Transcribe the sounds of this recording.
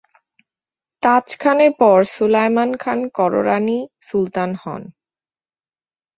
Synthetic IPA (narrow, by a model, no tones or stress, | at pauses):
t̪at͡ɕkʰaneɾpɔɾsulajmankʰankɔɾo̰ɾanisult̪anhɔ̰n